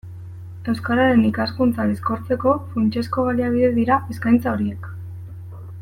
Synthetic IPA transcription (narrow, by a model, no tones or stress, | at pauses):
e̞wskaɾaɾe̞nikaskunt͡saðesko̞ɾt͡se̞ko̞funt͡ʃe̞sko̞ɣ̞aliaβ̞iðe̞ðiɾae̞skajnt͡sao̞ɾie̞k